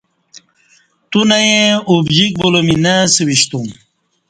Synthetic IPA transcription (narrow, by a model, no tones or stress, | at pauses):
t̪unɐjeubd͡ʑik̚bolominasewiɕt̪um